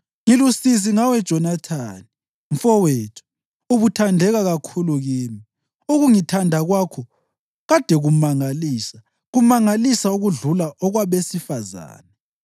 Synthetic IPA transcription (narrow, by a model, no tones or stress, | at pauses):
ŋilusiziŋawɛd̥ʒ̥ʱɔnatʰani | ɱ̩fɔweːtʰu̥ | uβutʰandʱɛɣaɣakʰuluɣiːmi | uɣuŋitʰandʱaɣwakʰɔ | ɣad̥ʱɛɣumaŋaliːsa | ɣumaŋalisauɣuɮulaʔɔɣwaβesifaza̰ːnɛ